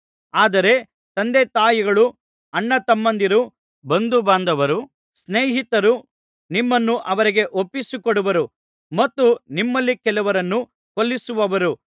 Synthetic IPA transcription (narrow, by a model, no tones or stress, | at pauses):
aːd̪ɐɾe̞ | t̪ɐnd̪et̪aːjiɡɐɭu | ɐɳːɐt̪ɐmːɐnd̪iɾu | bɐnd̪ubaːnd̪ɐʋɐɾu | sneːɦit̪ɐɾu | nimːɐnːuʔɐʋɐɾiɡe̞ʔopːisukoɽuʋɐɾu | mɐt̪ːunimːɐlːikɛluʋɐɾɐnːu | kolːisuʋɐʋɐɾu